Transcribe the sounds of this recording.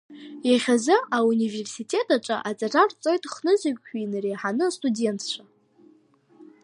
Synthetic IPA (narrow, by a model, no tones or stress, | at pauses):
jaχʲazɨaunive̞rsitʼe̞tʰʼaʈ͡ʂʼa̰ʔat͡sʼarart͡sʼo̞jtʼχnɨzakʲʷʼːᶣinɨrejħanɨstʼude̞ntʰt͡ɕʷʰa